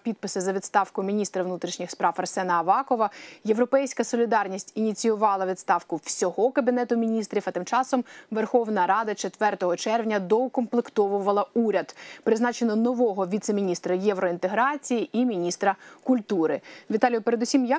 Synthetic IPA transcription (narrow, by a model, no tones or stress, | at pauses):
pʲid̪̚pɪsɪzɐʋʲid̪st̪ɑwkʊmʲinʲist̪ɾɐʋnut̪ɾʲiʃnʲixspɾɑwɐrsɛnɐːʋɑkɔʋɐje̞ʋɾɔpɛjsʲkɐsɔlʲid̪ɑrnʲisʲtʲinʲit͡sʲijʊʋɑlˠɐʋʲid̪st̪ɑwkʊw̥sʲɔɦɔkɐbʲinɛt̪ʊmʲinʲist̪ɾʲifɐt̪ɪmt͡ʃɑsɔmʋerxɔʋnɐɾɑd̪ɐt͡ʃe̞t̪ʋɛrt̪ɔɦɔt͡ʃɛrʋnʲɐd̪ɔkɔmplˠɪkt̪ɔʋʊʋɐlˠɐuɾʲɐd̪pɾɪznɑt͡ʃenɔnɔʋɔɦɔʋʲit̪semʲinʲist̪ɾɐjɛʋɾɔint̪e̞ɦɾɑt͡sʲijiʔimʲinʲist̪ɾɐkʊlʲt̪uɾɪʋʲit̪ɑlʲijʊpeɾe̞d̪usʲimjɐ